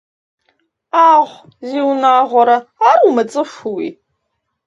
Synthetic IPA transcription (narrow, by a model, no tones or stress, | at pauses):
aːʁʷ | ziwnaːʁʷɔɾɐarumɐt͡sʼɨʂʷuwḭ